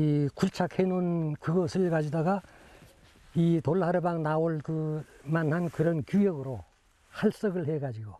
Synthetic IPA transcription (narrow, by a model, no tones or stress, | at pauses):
ikuɭt͡ɕʰakhenɯnkɯɡʌsʰɯɭkad͡ʑidaɡa | itoɭɦaɾɯbaŋnaoɭkɯmanɦankɯɾʌnkjujʌɡɯɾo | haɭs͈ʌɡɯɭɦe̞ɡad͡ʑiɡo